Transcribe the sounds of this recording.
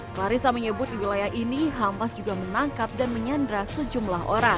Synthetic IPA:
klaɾisaməɲəbʊt̪̚diwilajahʔiniɦampasd͡ʒuɡamənaŋkap̚danməɲandɾasəd͡ʒumlaɦo̰ɾaŋ

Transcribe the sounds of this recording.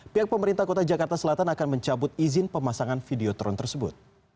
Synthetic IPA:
piɦak̚pəməɾint̪ahkot̪ad͡ʒakart̪asəlat̪anakanməɲt͡ʃabʊt̪̚izɪnpəmasaŋanfideot̪ɾɔnt̪ərsəbʊ̰t̪̚

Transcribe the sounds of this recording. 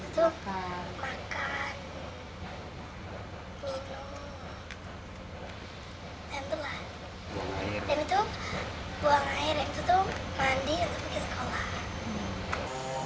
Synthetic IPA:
it̪u | makan | minum | tant̪ulah | damit̪u | buaŋahɪɾjaŋt̪ut̪umandiunt̪ʊpikisə̥kolah

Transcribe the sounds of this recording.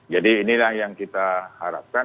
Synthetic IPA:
d͡ʒadiːnilahjaŋkit̪ahaɾa̰p̚ka

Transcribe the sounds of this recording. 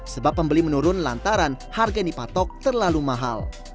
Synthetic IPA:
səbapːəmbəlimənuɾʊnlant̪aɾan | harɡandipat̪ɔk̚t̪ərlalumaɦa̰l

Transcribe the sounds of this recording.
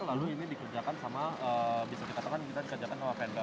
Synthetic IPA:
ŋlaluinidikərd͡ʒakansamaəbisadikat̪akankit̪adikərd͡ʒakanawapɛnba

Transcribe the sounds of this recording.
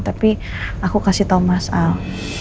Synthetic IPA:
t̪api | akukasiht̪omasal

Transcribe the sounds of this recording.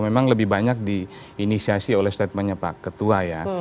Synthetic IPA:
memaŋləbɪhbaɲak̚di | inisiasiolɛhst̪at̪̚mənɲapa̰kːət̪uaja

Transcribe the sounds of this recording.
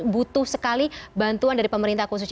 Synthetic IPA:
but̪ʊhsəkalibant̪uandaɾipəməɾint̪ahkus̬us

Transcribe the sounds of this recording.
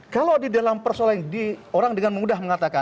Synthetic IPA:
kalowdidalampərsolandioɾaŋdəŋanməmudahməŋat̪aka

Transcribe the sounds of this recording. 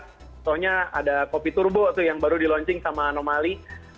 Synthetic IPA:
t̪ɔhɲaa̰dakopit̪urbot̪ujaŋbaɾudilɔɲt͡ʃɪŋsamaːnomali

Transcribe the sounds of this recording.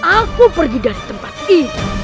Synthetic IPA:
akupərɡidaɾit̪əmpat̪̚ii

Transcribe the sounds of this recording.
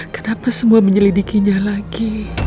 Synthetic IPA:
kənapasəmuaməɲəlidikiɲalaɡi

